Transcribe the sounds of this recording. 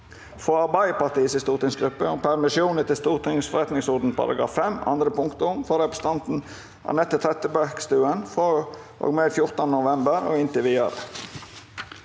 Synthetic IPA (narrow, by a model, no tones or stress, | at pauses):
fɔɑɾbæɪəpɑt̪iːsɪst̪uːt̪ɪŋsɡɾʉpːəʊmpʰæɾmɪsjuːnət̪ɪlst̪uːʁt̪ʰɪŋsfɔɾɛt̪nɪŋsɔɾd̪n̩pʰɑ̰ɾɑ̰ɡɾɑ̰ːfːɛmɑ̰nd̪ɾəpʊŋkt̪əʊʊmfɔɾɛpɾə̥s̩t̪ɑnt̪n̩ | ʔɑ̰nɛt̪ːət̪ʰɾɛt̪əbækst̪ʉːənfʁoː | ʔo̰ːɡmeːd̪fjʊɾt̪ɑnənʊʋɛmbəɾo̰ːɪnt̪ɪʋiːɑ̰ɾə